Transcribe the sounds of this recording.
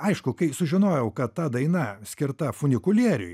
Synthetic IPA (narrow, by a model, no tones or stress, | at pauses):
ɐɪʃkʊkɐɪsʊʒʲɪnoːjɛʊkɐt̪t̪ːɐd̪ɐɪnɐsʲkʲɪɾt̪ɐfʊnʲɪkʊlʲiːɾʲʊ̰ɪ